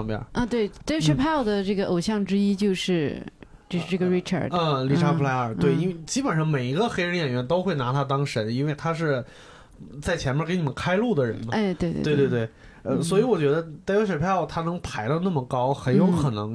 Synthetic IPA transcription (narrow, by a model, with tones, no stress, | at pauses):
ŋpjɑ̰˨˩ə˥˧t̪we˥˩ɪt̪a˥ʂə˥˩pʰa˥˩d̪ə˩ʈ͡ʂɤ˥˩ɡə˩ʔo˨˩ʊɕjɑ˥˩ŋʈ͡ʂɻ̩˥i˥t͡ɕjo˥˧ʊʂɻ̩˥˩t͡ɕt͡ɕjo˥˧ʊʂ̩˥˧ʈ͡ʂɤ˥˩ɡə˩ɹi˥ʈ͡ʂʰə̰˨˩ə˥˧li˧˥ʂʰa˥pʰla˥ɪ˨ə˞˨˩we˥˩ɪi˥nwe˥˩ɪt͡ɕi˥pə˨˩nʂɑ˥˩ŋme˨˩ɪi˧˥ɡə˧xe˥ɪɻə˧˥njɛ˨˩nɥɛ˧˥nt̪o˥ʊxwe˥˩ɪna˧˥t̪ʰa˥t̪̬ɑ˥ŋʂə˧˥ni˥nwe˥˩ɪt̪ʰa˥ʂ̬ɻ̩˥˩ | t͡sa˥˩ɪt͡ɕʰjɛ˧˥nmʲjke˧˥ni˨˩mə˦nkʰa˥ɪlu˥˩d̪ə˩ɻə̰˧˥nnə˧˥˩t̪we˥˧t̪we˥˧ɪ˥t̪wt̪we˥˩ɪ | ə˥˧swɔ˧˥i˧˥wɔ˨˩t͡ɕɥɛ˧˥d̪ə˧t̪a˥ʂə˨˩pʰa˥˩ʊt̪ʰa˥nɤ˧˥ŋpʰa˧˥ɪlə˧na˥˩mə˩kɑ˥ʊxə˧˥njo˧˥ʊkʰɤ˨˩nɤ̰˧˥ŋ